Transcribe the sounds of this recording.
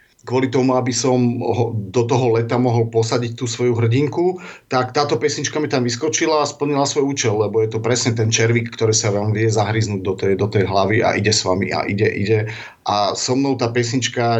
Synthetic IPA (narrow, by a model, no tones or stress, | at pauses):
kʋʊɔlit̪ɔmuabisɔmɦɔd̪ɔt̪ɔɦɔlɛt̪amɔɦɔlpɔsaɟict̪uːsʋɔjuɦr̩ɟiŋkut̪akt̪aːt̪ɔpɛsɲit͡ʃkamit̪amʋiskɔt͡ʃilaːspl̩ɲilasʋɔjuːt͡ʃɛlːɛbɔjɛt̪ɔpɾɛsɲɛt̪ɛnt͡ʃɛɾʋikːt̪ɔɾiːsaʋɛlmʋɪɛzaɦɾiznuːɟd̪ɔt̪ɛd̪ɔt̪ɛjɦlaʋia̰ʔiɟɛsʋamḭa̰ʔḭɟɛʔḭɟɛ | ʔasɔmnɔʊt̪aːpɛsɲit͡ʃka